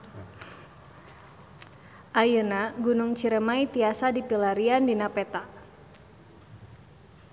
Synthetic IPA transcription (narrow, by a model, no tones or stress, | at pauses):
ʔajənaɡunʊŋt͡ʃiɾəmait̪iasadipilaɾiandinapɛt̪a